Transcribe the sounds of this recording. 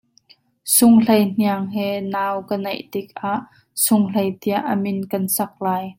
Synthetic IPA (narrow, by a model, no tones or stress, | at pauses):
sʊŋlejn̥iaŋɦɛnaːwkənɐjʔt̪ɪk̚ʔaʔ | sʊŋl̥ejt̪iɐʔːəmɪnkɐnsɐk̚laːj